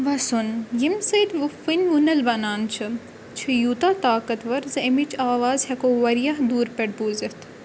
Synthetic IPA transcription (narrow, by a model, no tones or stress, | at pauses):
ʋɐsunjimsɐjd̪ʋufinʋunɐlbɐnaːnt͡ʃʰɨ | t͡ʃʰijuːt̪aːt̪aːkɐt̪ʋɐɾzɐimit͡ʃʰaːʋaːzhɐkoʋɐɾijɐɦd̪uːɾpɐʈ̚buːzɐt̪ʰ